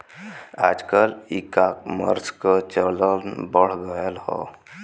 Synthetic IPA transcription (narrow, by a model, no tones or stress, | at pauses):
a̰ːd͡ʒkəlikakmə̰ɾskət͡ʃələnbəɽ̤ɡəjəlhɔ̰